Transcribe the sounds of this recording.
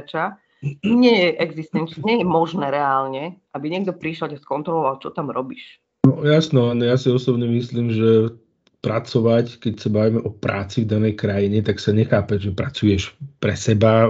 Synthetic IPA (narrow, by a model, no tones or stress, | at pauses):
t͡ʃa | ɲɪɛjɛʔɛɡzist̪ɛnt͡ʃɲɛjɛmɔʒnɛːɾɛaːlɲɛʔabiɲɪɛɡ̚d̪ɔpɾiʃɛlcaskɔnt̪ɾɔlɔʋalt͡ʃɔt̪amɾɔbiːʃ | nɔjasnɛanɔjasiɔsɔbɲɛmisliːmʒɛ | pɾat͡sɔʋackɛcsabaʋimɛʔɔpɾaːt͡sivd̪anɛjkɾajiɲɛt̪aksaɲɛxaːpɛʒɛpɾat͡sujɛʃpɾɛsɛba